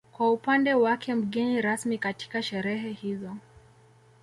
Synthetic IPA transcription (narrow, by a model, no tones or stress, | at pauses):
kwaupandɛwakʰɛm̩ɠɛniɾasmikati̥kaʃɛɾɛɦɛhizɔ